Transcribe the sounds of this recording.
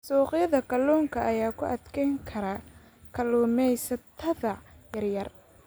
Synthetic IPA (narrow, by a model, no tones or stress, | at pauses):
sɔːqjɐðɐkʰɐlɔːŋkʰɐʔɐjaːkʰʊʔɐd̪kʰɛŋkʰɐɾɐ | kʰɐlɔːmɛjsɐt̪ʰːɐðɐjɐrjɐr